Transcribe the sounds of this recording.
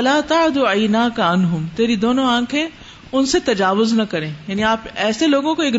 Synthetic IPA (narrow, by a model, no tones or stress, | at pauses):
ɐlaːt̪aʕɪd̪uaɪnaːkɐɐnɦʊmt̪eːɾid̪oːnõãːkʰẽ | ʊnset̪ɐd͡ʒaːʋʊznɐkɐɾẽːjaːniaːpɛːseloːɡõkoeːk